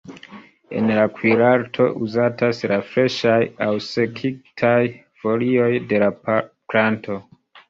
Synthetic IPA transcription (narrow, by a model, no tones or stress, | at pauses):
e̞̰nlakwiɾaɾtʰo̞̰ʔuzataslafɾe̞ʃajawse̞kʰik̚tʰaj | fo̞lio̞jde̞laplanto̞